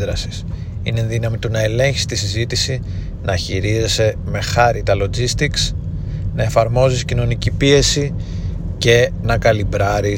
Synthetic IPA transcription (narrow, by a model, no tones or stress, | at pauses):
ɾɐsi̥s | ineðinɐmit̪unɐe̞le̞ɲçisi̥t̪isizit̪isi | nɐçiɾizese̞me̞xɐɾit̪ɐlo̞d͡zist̪iks | nɐe̞fɐɾmo̞ziscino̞nicipie̞si | ce̞nɐkɐlibɾɐɾi